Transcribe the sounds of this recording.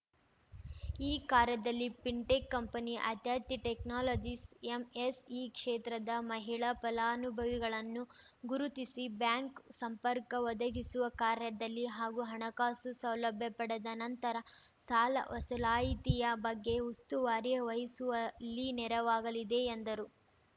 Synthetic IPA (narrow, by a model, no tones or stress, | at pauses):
iːkaːɾjɐd̪ɐlːipiɳʈekːɐmpɐniʔɐ̰t̪jaːt̪iʈeknaːloːd͡ʒisemesiːkʂeːt̪ɾɐd̪ɐmɐɦiɭɐpɐlaːnubʱɐʋiɡɐɭɐnːu | ɡuɾut̪isibjaːŋksɐmpɐɾkɐʋɔd̪ɐɡisuʋɐkaːɾjɐd̪ɐlːiɦaːɡuɦɐɳɐkaːsusɐwlɐbʱjɐpɐɽɐd̪ɐnɐnt̪ɐɾɐsaːlɐsɐlaːjit̪ijɐbɐɡːe̞ust̪uʋaːɾjɐʋɐɦisuʋɐlːinɛɾɐʋaːɡɐlid̪e̞ːnd̪ɐɾu